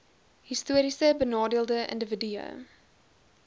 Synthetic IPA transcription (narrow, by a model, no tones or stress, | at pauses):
ɦistuəɾisəbənɑːdiəlˠdəə̰ndəvədyə̰